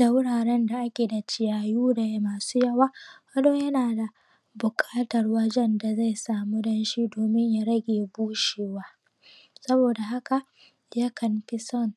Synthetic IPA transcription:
da˨wʊ˦ɽaː˨ɽɛ˦nda˨ʔa˦kʲeː˨da˨t͡ʃɪ˦jaː˨juː˦da˨ja˦maː˨suː˦jɐ˦waː˦kɐ˦doː˦jɐ˦naː˨da˨ | bʊ˨kʼaː˦tɐ˨rwɐ˦d͡ʒɛ˦nda˨za˦˨jsaː˨mu˦dɐ˦nʃi˦doː˨mɪ˦ɲja˦˨ɾɐ˦ɡʲeː˨buː˦ʃeː˨waː˦ | sɐ˦boː˨da˨ɦa˦ka˨ | ja˦kʰɐ˨mɸɪ˦sɔ˦˨n

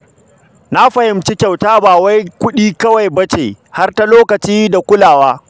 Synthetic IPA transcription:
na˦ɸɐ˨hɪ˨˦mt͡ʃi˦kʲa˨wtaː˦baː˨wa˦jkʷʊ˦ɗiː˦kɐ˦wa˨jbɐ˦t͡ʃḛː˨ | ha˦rta˦loː˦kɐ˨t͡ʃiː˦da˨kʷʊ˦laː˨waː˦

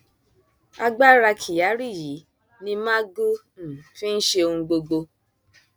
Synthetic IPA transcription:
a˧ɡ͡ba˦ɾa˧kʰi˨ja˨˦ɾi˦˨ji˨˦ | nĩ˧mã˦ɡu˦ | n̩˨fĩ˦n̩˦ʃe˧o˧hũ˧ɡ͡bo˧ɡ͡bo˧

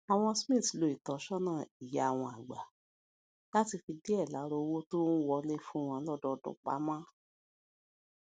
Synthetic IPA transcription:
a˨w̃ɔ̃˧smĩ˦˨tlo˨i˨tɔ˨˦ʃɔ˦nã˦˨i˨ja˨a˨w̃ɔ̃˧a˨ɡ͡ba˨ | la˦ti˧fi˧di˦ɛ˦˨la˨˦ɾo˧wo˦to˦n̩˦wɔ˧le˦fũ˦w̃ɔ̃˧˦lɔ˦dɔ˧dṵ̃˨k͡pa̰˨˦mãː˦

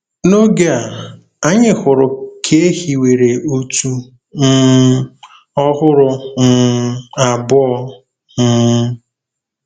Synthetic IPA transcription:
no˦ɡe˦a˨ | a˦ɲɪ˦hʊ˨ɾʊ˨kʰe˦e˦hi˨we˨ɾe˨o˦tu˦ | n̩˦ | ɔ˦ɦʊ˦ɾʊ˨n̩˦a˨bʊ˦ɔ˦˧˦

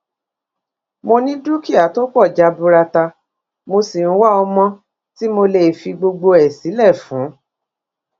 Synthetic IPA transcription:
mo˧nĩ˦du˦ki˦˨a˨˦to˦k͡pɔ˦˨d͡ʒa˧˦bu˧ɾa˧ta˧ | mo˧si˨n̩˦wa˦ɔ˧mɔ̃˧ | ti˦mo˧le˨fi˧ɡ͡bo˧ɡ͡bo˧ɛ˨si˨˦lɛ˦˨fũ˨˦

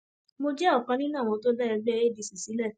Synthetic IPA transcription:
mo˧d͡ʒɛ˦ɔ˦˨kã˧nĩ˦nãː˦˨w̃ɔ̃˧˦to˦dɛ˦ɛ˧ɡ͡bɛ˦e˦˨di˨˧si˨si˨˦lɛ˦˨

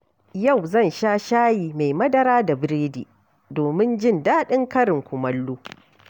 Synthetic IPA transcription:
ja˦˨wzɐ˦˨nʃaː˦ʃaː˦jiː˨ma˨jmɐ˦dɐ˦ɾaː˦da˨bɪ˦ɾeː˦dḭː˨ | doː˨mɪ˦nd͡ʒɪ˦˨ndaː˦ɗɪ˦ŋkɐ˦ɾɪ˨ŋkʷʊ˨mɐ˦lːoː˦

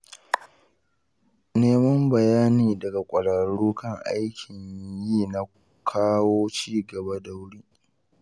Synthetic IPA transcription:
neː˦mɐ˦mbɐ˨jaː˦niː˨dɐ˨ɡa˨kʷʼɐ˨ɽɐ˨ɽuː˦kɐ˦˨ŋʔa̰˦jkʲʰɪ˨ɲjiː˦˨na˨ | kʰaː˦woː˦t͡ʃiː˦ɡɐ˨ba˦da˨wɽiː˦

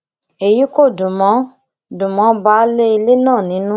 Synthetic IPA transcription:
e˨ji˦ko˦˨dũ˨mɔ̃˨˦ | dũ˨mɔ̃˨˦ba˨˦le˦i˧le˦nãː˦˨nĩ˨˦nũ˦

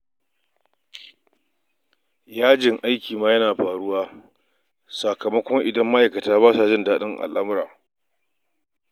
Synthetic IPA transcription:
jaː˦d͡ʒɪ˨ŋʔa˦jkʲiː˨maː˦jɐ˦naː˨ɸaː˨ɽʊ˦waː˦ | sa˨kɐ˨mɐ˦kʷɔ˦ŋʔɪ˨dɐ˦mːa˦ʔa˨jkɐ˨taː˦baː˦sa˨d͡ʒɪ˦˨ndaː˦ɗɪ˦ŋʔa̰˨lʔa˦mʊ˦ɾaː˨

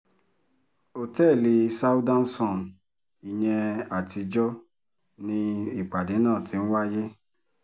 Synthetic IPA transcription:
o˨tɛ˦˨li˧sa˦u˦dã˦n̩˦sɔ̃˦˨n | i˧j̃ɛ̃˧a˨ti˧d͡ʒɔ˦ | nĩ˧i˦˨k͡pa˨de˨˦nãː˦˨tʰĩ˨˦n̩˦wa˦je˦

